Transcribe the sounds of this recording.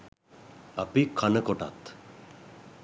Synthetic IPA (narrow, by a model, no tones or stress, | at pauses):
apikʰanəkɔʈa̰t̪